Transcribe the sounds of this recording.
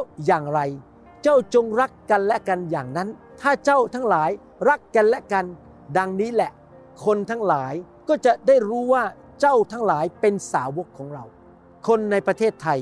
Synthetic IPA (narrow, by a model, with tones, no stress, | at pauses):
jaː˨˩ŋɾa˧j | t͡ɕa˥˩wt͡ɕo˧ŋɾa˦˥kːa˧nlɛ˦˥ka˧njaː˨˩ŋna˦˥n | t̪ʰaː˥˩t͡ɕa˥˩wt̪ʰa˦˥ŋlaː˩˦j | ɾa˦˥kːa˧nlɛ˦˥ka˧n | da˧ŋniː˦˥lɛ˨˩ʔ | kʰo˧nt̪ʰa˦˥ŋlaː˩˦j | kɔː˥˩t͡ɕa˨˩ʔdaː˥˩jɾuː˦˥waː˥˩ | t͡ɕa˥˩wt̪ʰa˦˥ŋlaː˩˦jpe˧nsaː˩˦wo˦˥kʰːɔː˩˦ŋɾa˧w | kʰo˧nːa˧jpɾa˧t̪ʰeː˥˩t̪ʰːa˧j